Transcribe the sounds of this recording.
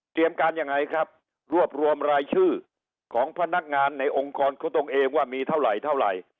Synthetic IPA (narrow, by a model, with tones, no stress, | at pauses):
t̪ɾi˧əmkaː˧nja˧ŋːa˧jkʰɾa˦˥p̚ | ɾu˥˩əp̚ɾu˧əmɾaː˧jt͡ɕʰɯː˥˩ | kʰɔː˩˦ŋpʰa˧na˦˥k̚ŋaː˧nːa˧jʔo˧ŋkɔː˧nkʰɔː˨˦t̪o˧ŋʔeː˧ŋwaː˥˩miː˧t̪ʰa˥˩wɾa˨˩jt̪ʰa˥˩wɾa̰˨˩j